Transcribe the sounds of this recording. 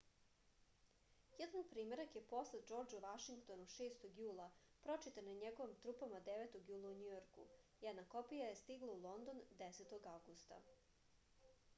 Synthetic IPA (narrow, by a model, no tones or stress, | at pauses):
jɛd̪anpɾiːme̞ɾakjepo̞sled̪d͡ʒo̞ɾd͡ʒuʋaʃiŋkt̪o̞nuʃeːst̪o̞ɡjuːlˠa | pɾo̞t͡ʃit̪anaɲeɡo̞ʋimt̪ɾupamad̪eʋet̪o̞ɡjuːlˠauɲujoɾkṵ | jɛd̪nakopijajest̪iɡlˠaulˠo̞nd̪o̞nd̪eset̪o̞ɡavɡust̪a̰